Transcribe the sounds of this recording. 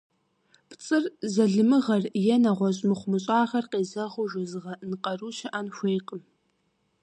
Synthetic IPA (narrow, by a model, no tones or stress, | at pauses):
pʰt͡sʼɨrzɐɮɨmɨʁɐrjɛnɐʁʷɔɕʼmɨχʷʊmɨɕʼaːʁɐrqʼeːzɐʁʷʊʒʷʊzɨʁɐnqʼɐruːʃɐʔɐnxʷejqʼəm